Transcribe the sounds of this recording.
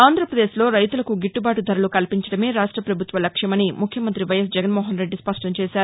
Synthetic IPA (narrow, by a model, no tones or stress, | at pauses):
aːnd̪ʱɾɐpɾɐd̪eːslo̞ːɾɐjt̪ulɐkuɡiʈːubaːʈud̪ʱɐɾɐlukɐlpiɲt͡ʃɐɽɐme̞ːɾaːʂʈɾɐpɾɐbʱut̪ʋɐlɐkʂjɐmɐnimukʰjɐmɐnt̪ɾiʋɐjɐsd͡ʒɛɡɐnmoːɦɐnɾe̞ɖːispɐʂʈɐmt͡ʃɛːʃaːɾu